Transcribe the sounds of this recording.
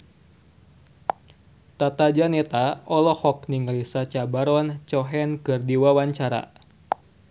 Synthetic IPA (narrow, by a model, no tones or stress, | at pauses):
t̪at̪ad͡ʒanɛt̪aɔlɔhɔk̚niŋlisat͡ʃabaɾɔnt͡ʃɔɦɛnkɨrdiwawaɲt͡ʃaɾa̰